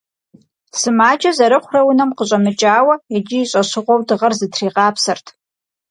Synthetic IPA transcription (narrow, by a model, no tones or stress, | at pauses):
sɨmaːd͡ʒazaɾɨχʷrawʊnɐmqəɕʷʼɐmɨt͡ʃʼaːwɐad͡ʒɪiɕʷʼɐʃʷɨʁʷowdɨʁɐrzɨtʰriːqʼaːpʰsɨrtʰ